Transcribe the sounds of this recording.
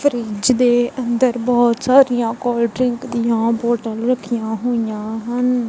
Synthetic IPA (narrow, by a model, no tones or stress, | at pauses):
pʰəɾiːd͡ʒd̪eːʔənd̪əɾbɔːt̪saːɾijãːkɔːlɖɾɪŋkd̪ɪjãːpoːʈəlɾəkʰːijãːɦoːɪjãːɦən